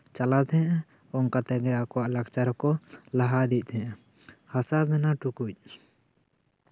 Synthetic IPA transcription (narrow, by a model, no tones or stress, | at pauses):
t͡ʃalat̪ɛ̃ʔ | ɔŋkat̪ɛɡɛakɔwaʔlakt͡ʃaɾɔkɔlaɦad̪ic̪̚ˀt̪ʰɛ̃ʔa | hasabmɛnaʈukuc̚